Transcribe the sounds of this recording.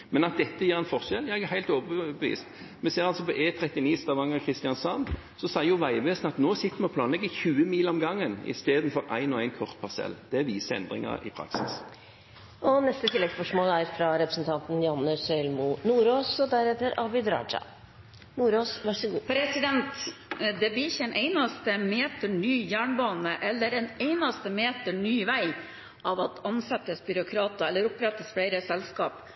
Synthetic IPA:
mɛnɑt̪̚d̪ɛt̪ːəjiːɾɛɪnfɔʁʃɛljæɛɡæhæɪlt̪oːʋəbbəʋḭːst̪ | mɛseːɾɑlsɔpɔʔeːt̪ʰɾɛt̪ːɪniːst̪ɑʋɑŋəʁkʰʁɪst̪ɪɑnsɑn | sɔsæɪjʊʋæɪʋeːsnɑt̪noːsɪt̪ːəmɛɔpʰlɑːnlɛɡɪçʉːəmiːlɔmɡɑŋːənɪ̰st̪eːd̪n̩fɔɾæ̰ɪnɔæɪnkʰɔʁt̪̚pʰɑsɛ̰ld̪̥ɛʋiːsəɾɛ̰nd̪ʁɪ̰ŋɑ̰ɾɪ̰pʰɾɑ̰ksɪ̰s | ʔɔnɛst̪ət̪ʰɪlːɛɡspɔʂmoːlæɾfɾɑɾɛpɾəsnt̪ʰɑnt̪n̩jɑnːəsɛlmʊnuːɾoːsɔd̪æɾɛt̪ːəɾɑʋɪd̪ɾɑ̰ːd͡ʒɑ̰ | nuːɾoːsʋæʂəɡuːpʰɾɛsɪd̪ɛnt̪d̪ɛblɪɾɪçːəɛnʔeɪnɑst̪əmeːt̪əɳyːjæːɳbɑːnəʔɛlːəɾɛneɪnɑst̪əmeːt̪əɳyːʋæɪ | ʔɑʋɑt̪ɑnsɛt̪ːəsbʏɾʊkʰɾɑːt̪ɑɛlːəɾʊpɾɛt̪ːəsfɽeɪɾəsɛlskɑːp

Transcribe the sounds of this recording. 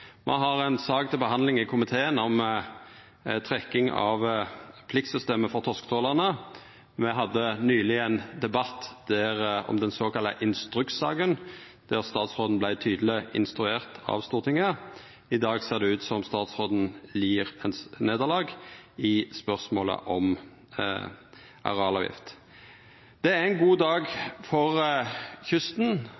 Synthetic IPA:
mʔɛ̰ɦɑʁɛnsɑːkt̪ʰɪlbəɦɑnd̪lɪŋɪkʰʊmɪt̪ʰeːənɔm | t̪ʰʁɛkːɪŋɑ̰ʋpʰlɪkt̪sʏst̪eːməfɔʁt̪ʰɔskət̪ʰoːləʁnə | mɛɦɑd̪ːənyːlɪænd̪ɛbɑt̪ːd̪̥æʁɔ̰md̪ɛnsoːkɑlːəʔɪnst̪ɾʉk̪sɑ̰ːɡən | d̪̥æʁst̪ɑːt̪sʁoːd̪n̩blæɪt̪ʰyːd̪əl̩ɪʔɪ̰nst̪ɾʉeːʁt̪ʰɑ̰ʋst̪uːʁt̪ʰɪŋːə | ɪd̪ɑːɡseːʁd̪ɛʉːt̪sɔmst̪ɑːt̪sʁoːd̪n̩liːʁɛnsneːd̪əʁlɑːɡɪspœʁsmoːlə̰ʔɔm | ʔɑ̰ʁɑːblɑːʋjɪ̰ft̪ | d̪̥ɛæʁɛnɡuːd̪ɑːɡfɔʁçʉst̪n̩

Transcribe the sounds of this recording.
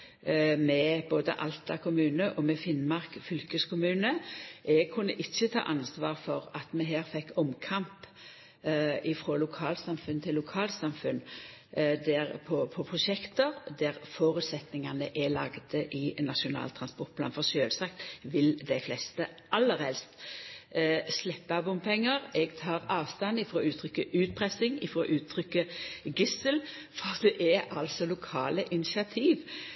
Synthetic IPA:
mɛboːd̪ə̰ʔɑ̰lt̪ɑkʰʊmʉːnəʔɔmɛfɪnmɑʁkfʏlkəskʰʊmʉːnəʔɛɡ̚kʰʉnːəʔɪçːət̪ʰɑ̰ːʔɑnsʋɑːʁfɔʁɑt̪mɛɦæːʁfɛkːɔmkʰɑmp | ɪfʁoːlʊkʰɑːlsɑmfʉnt̪ʰɪlːʊkʰɑːlt̪sɑmfʉn | d̪æʁpʰɔpʰɔpʰʁʊʃɛkt̪əʁd̪æʁfoːɾʉt̪sɛt̪nɪŋɑnəʔælɑɡd̪əʔɪnɑʂʊnɑ̰ːlt̪ʰɾɑnspɔɾt̪̚b̥ʰlɑːnfɔsøːlsɑk̚t̪ʋɪld̪æɪflɛst̪ə | ʔɑlːəɾhɛlst̪ | slɛpːəɑbʊmpʰɛŋːəɾɛɡt̪ʰɑːɾɑːʋst̪ɑnɪfɾoːʉːt̪ʰɾʏkːəʔʉːt̪̚pʰʁɾɛsɪŋɪfɾo̰ːʔʉːt̪ʰʁʏkːəɡɪsəl | fɔd̪ɛʔɛɾɑlsɔlʊkʰɑ̰ːləʔɪnɪsɪɑt̪ʰiːʋ

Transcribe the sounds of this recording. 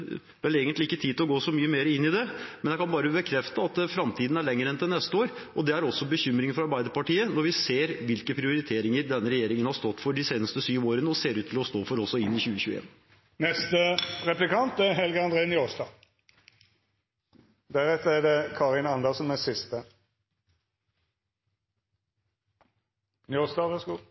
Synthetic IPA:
ʋɛleːɡənt̪lɪɪkːət̪ʰiːd̪ɪlɔɡoːsɔmyːəmeːɾəɪnːɪd̪ɛmɛnækʰɑnbɑːɾəbəkʰɾɛft̪əɑt̪̚fɾɑmt̪ʰiːd̪n̩æɭɛŋːəɾɛnt̪ʰɪlnɛst̪əoːɾʔɔd̪ɛæɾɔsːɔbəçʏmɾɪŋfɔɾɑɾbæɪd̪əɾpɑʈiːənɔɾʋɪseːɾʋɪlkəpʰɾɪʊɾɪt̪ʰeːɾɪŋəɾd̪ɛnːəɾɛjeːɾɪŋənhɑɾst̪ɔt̪ːfɔɖɪseːnəst̪əsyːʋoːɾənəɔseːɾʉːt̪ʰːɪlɔst̪oːfɔɾɔsɔɪnːɪçʉːəçʉːəḛːn | nɛst̪əʁɛplɪkɑnt̪ɛɦɛlɡəɑnd̪ʁeːnjosd̪ɑ | d̪æʁɛt̪ːəædɛkʰɑʁɪnɑnd̪əsnmɛsɪst̪ə | njosd̪ɑʋɛsɡ

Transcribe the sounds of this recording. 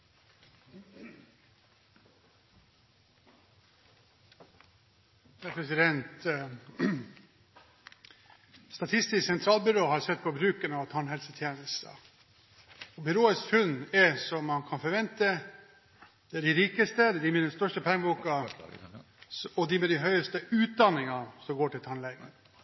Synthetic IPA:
j̪æpʰɾɛsɪd̪ɛnt̪ | st̪ɑt̪ʰɪst̪ɪsksɛnt̪ʰɾɑːlbʏɾoːhɑɾsɛt̪ːpʰɔbɾʉːkənɑʋt̪ʰɑɳhɛlsət̪ʰjeːnəst̪ə̰ | ɔbʏɾoːəskfʉnːɛsɔmːɑnkʰɑnfɔɾʋɛnt̪ə | d̪̥ɛæɖɪɾiːkəst̪əd̪ɛd̪ɪmɪd̪ɛnst̪œʂʈəpʰæɾŋbuːkɑ | ɔd̪ɪmɛd̪ɪɦœʏəst̪əʉːt̪̚d̪ɑnɪŋɑsɔmɡoːʈɪlt̪ʰɑnlɛɡə

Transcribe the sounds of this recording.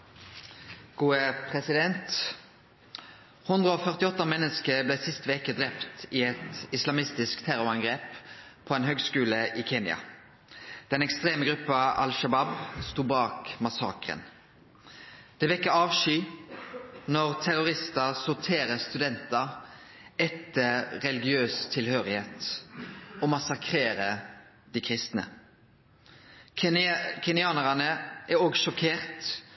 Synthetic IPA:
ɡ̥uːəpʰʁɛsɪd̪ɛnt̪ | hʊnd̪ʁəoːfœʁt̪ɪɔt̪ːɑmɛnːəskəblɛsɪst̪əʋeːkəd̪ʁɛpt̪ɪɛt̪ɪslɑmɪst̪ɪskt̪ʰæʁʊʁɑŋɡʁeːppʰɔɛːnɦøːɡskʉːləʔɪkʰeːnɪɑ̰ | d̪̥ɛnɛkst̪ʁeːməɡʁʉpːɑʔɑ̰lʃɑbɑbst̪uːbɑːkmɑsɑ̰ːkʁə̰n | d̪̥ɛʋɛkːəɾɑːʋʃyː | nɔʁt̪ʰæɾʊʁɪst̪ɑsʊʁt̪ʰeːɾəst̪ʉd̪ɛnt̪ɑ | ɛt̪ːəːɛlɪɡɪøːst̪ʰɪlhøːʁɪheːt̪ | ɔmɑsɑkʰʁeːɾə | d̪̥ikʰʁɪst̪nə̰ | kʰɛnɪɑːnəʁɑnəʔæɾoːɡʃɔkʰeːʁt̪

